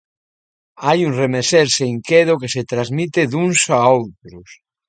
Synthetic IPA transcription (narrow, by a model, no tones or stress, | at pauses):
ajuŋremeseɾseŋkeðokeset̪ɾazmit̪eðunsaowt̪ɾos